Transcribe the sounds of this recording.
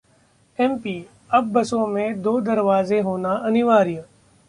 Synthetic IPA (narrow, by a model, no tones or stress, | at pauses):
eːmpiː | əbːəsõːmẽːd̪oːd̪əɾʋaːzeɦoːnaːʔənɪʋaːɾijə̃